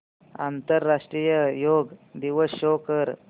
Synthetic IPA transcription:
a̰nt̪əɾːaʂʈɾijəjoɡd̪iʋəsokəɾ

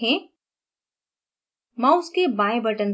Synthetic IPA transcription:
ɛ̃ː | mãːʊskebaːẽbəʈən

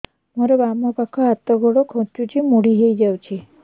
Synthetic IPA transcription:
mɔɾɔbamɔpakʰɔɦat̪ɔɡʱɔɽɔkʰɔ̃t͡ʃut͡ʃʰimuɽiɦejd͡ʒawt͡ʃʰi

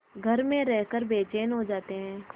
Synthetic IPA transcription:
ɡʱəɾmẽɾɛɦkəɾbeːt͡ʃeːnɦod͡ʒaːt̪eɦɛ̃ː

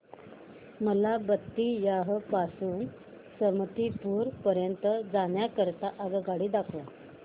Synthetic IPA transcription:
məlabət̪ːiːjaɦəpasuːn | səmt̪ipuːɾpəɾjənt̪əd͡zaɳjakəɾt̪aʔaɡəɡaɽiːd̪akʰʋa

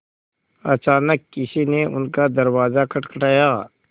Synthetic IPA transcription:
ɐt͡ʃaːnəkːɪsineʊnkad̪ɐɾwaːzakʰɐʈkəʈaːjaː

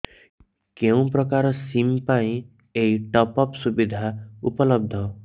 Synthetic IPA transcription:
kew̃prʌkaɾsimpaĩ | eiʈʌpʌpsubid̪ʱaupʌlʌb̚d̪ʱʌ

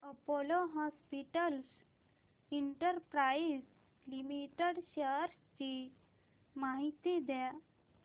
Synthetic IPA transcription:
əpoloɦɔspiʈəls | iɳʈəɾpɾaiz | limiʈeɽɕəɾ | t͡ɕi | maɦit̪id̪ja

